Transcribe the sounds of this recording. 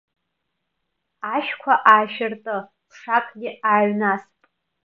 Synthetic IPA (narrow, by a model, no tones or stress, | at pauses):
aʃkʷʰaʔaːʃɪrtʼɨ | ʂakʼɡʲɪaːɥnaspʼ